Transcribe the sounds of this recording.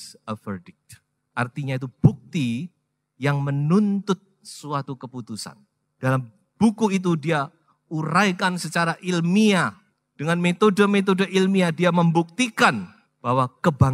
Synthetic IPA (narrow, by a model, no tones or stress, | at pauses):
əfərdɪk̚t̪̚ | ʔart̪iɲait̪ub̥uk̚t̪i | jaŋmənunt̪ʊt̪̚suat̪ukəput̪usa̰n | d̥alam | b̥ukuit̪̬udia | uɾajkansət͡ʃaɾaʔilmia | d̥əŋanmet̪odəmet̪̬odəʔilmiadiaməmbuk̚t̪ikan | b̥aɦwakəba